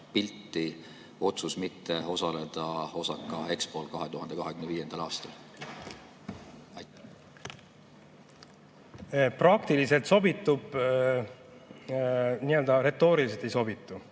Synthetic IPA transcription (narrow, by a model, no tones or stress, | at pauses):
pilt̪ːˑi | o̞t̪susmit̪ːe̞o̞sɑle̞d̪̥ɑo̞sɑkːˑɑe̞kspo̞ːlkɑɦet̪uɦɑnd̪e̞kɑɦekymneviːje̞nd̪̥ɑlɑːst̪ɑl | prɑk̚t̪ilise̞lt̪so̞bit̪ːˑub̥ | niø̞ld̪ɑɾe̞t̪ːˑo̞ːɾiliset̪ːˑejso̞bit̪ˑːu